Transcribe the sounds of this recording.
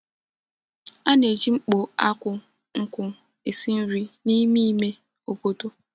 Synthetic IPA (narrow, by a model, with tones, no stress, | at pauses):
a˦ne˨d͡ʒi˦ŋ͡m̩˦k͡po˨a˦kʷʊ˦ | ŋ̩˦kʷʊ˨ | e˨si˦n̩˦ɾi˦ni˦mi˦me˦ | o˦po˦to˦